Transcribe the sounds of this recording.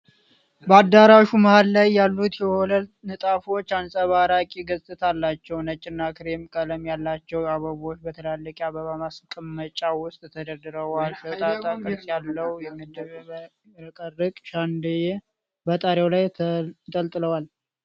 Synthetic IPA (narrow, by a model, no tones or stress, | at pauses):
bəad̪ːaɾaʃuməhallajːalːut̪jɛhɔlənɨt̪ʼafo̞t͡ʃːansʼəβaɾakʼiɡəsʼɨt̪ʰalːat͡ʃːɛwnət͡ʃʼːɪnːakʰɨɾemkʼələmjalːat͡ʃːɛwaβəβo̞t͡ʃːbət̪ʰəlalːəkʼaβəβamaskʼɨmːət͡ʃʼːawʊst̪ʼt̪ʰəd̪əd̪ɨɾəwalfət̪ʼaakʼɨsʼjalːəwjɛmɨd̪ɨβ | ɾəkʼərɨkʼʃand̪ɨje | bət̪ʼaɾewlajt̪ʼəlt̪ʼɨləwal